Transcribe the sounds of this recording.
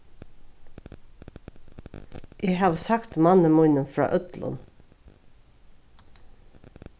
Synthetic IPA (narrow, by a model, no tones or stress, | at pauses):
ʔeːhɑːʋsɑkt̪mɑnəmʊʏnənfɹɑ̰ːʔœt̪lə̰n